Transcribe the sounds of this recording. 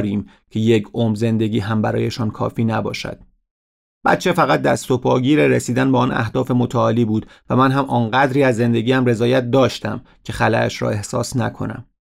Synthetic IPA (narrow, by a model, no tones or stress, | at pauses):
ɾiːm | cʰe̞je̞cʰomze̞nd̪e̞ɟiːɦæmbæɾɒ̰ːje̞ʃɒːnkʰɒ̰ːfiːnæbɒ̰ːʃæ̰d̪̥̚ | b̥æ̰t̪̚t͡ʃʰe̞fæɣæt̪̚d̪æst̪o̞pʰɒːɡɟiːɾeɾesiːd̪ænbeɒːnʔæ̰hd̪ɒːfe̞mot̪ʰæɒːliːbuːd̪ | væmænɦæmʔɒːnɢæd̪ɾiːæzːe̞nd̪e̞ɟiːæmre̞zɒːjæt̪̚d̪ɒːʃt̪æ̰m | cʰe̞xælæ̰æ̰ʃɾɒ̰ːe̞hsɒ̰ːsnækʰo̞̰næ̰m